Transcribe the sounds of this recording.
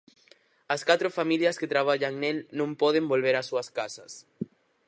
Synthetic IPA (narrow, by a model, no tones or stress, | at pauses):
askat̪ɾofamiljasket̪ɾaβ̞aʎaŋnelnõmpoðembolβeɾasuaskasas